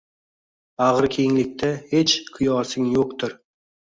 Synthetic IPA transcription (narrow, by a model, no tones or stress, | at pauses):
aʁɾkʲʰejɪŋlɪk̚ʲt̪ʰahet͡ʃkʰʊjɒːsɪŋjoqt̪ʰɪɾ